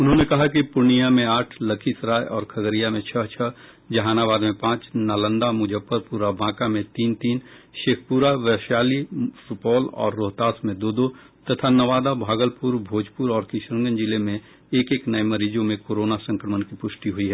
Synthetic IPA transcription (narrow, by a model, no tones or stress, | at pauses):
ʊnɦõnekɐɦak̬ipʊɾnijamẽaːʈʰlɐkʰisɾaːjʔɔːɾkʰɐɡəɾijamẽt͡ʃʰəɦt͡ʃʰəɦ | d͡ʒɐɦaːnaβaːd̪mẽpãːt͡ʃnaːlə̃nd̪amʊd͡ʒəpːəɾpuːɾabãːkamẽt̪iːnt̪iːnʃeːkʰpuːɾaʋɛʃaːlifʊʈbɔːlɔ̰ːɾːoːɦt̪aːsmẽd̪oːd̪o | t̪ɐt̪ʰanɐʋaːd̪abʱaːɡəlpʊɾbʱoːd͡ʒpʊɾɔːɾkɪʃɾə̃ŋɡənd͡ʒɪlemẽ | eːkeːknɐemɐɾiːd͡ʒõmẽkoːɾoːnasɐ̃ŋkɾəmənkipʊʃʈiɦʊiɦɛː